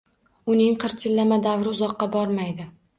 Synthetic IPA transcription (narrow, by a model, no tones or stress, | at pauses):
ʊnɪŋqʰɨɾt͡ʃʰɪlːamad̪avɾɪʊzɒqːɑbɒɾmajd̪ɪ